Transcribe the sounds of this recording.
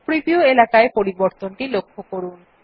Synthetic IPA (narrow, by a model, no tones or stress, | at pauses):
pɾipioelakaepoɾiboɾt̪onʈilokʰːokoɾun